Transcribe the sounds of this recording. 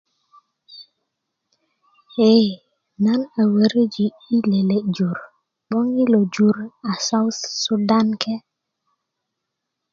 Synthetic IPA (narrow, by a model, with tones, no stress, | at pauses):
e˦˨ | na˦na˨wə˨ɾə˦d͡ʒi˨ | i˦le˨le˦d͡ʒu˨ɾ | bɔ˦ŋi˦lo˨d͡ʒu˦ɾa˨sa˦wssu˦da˦nkʰe˦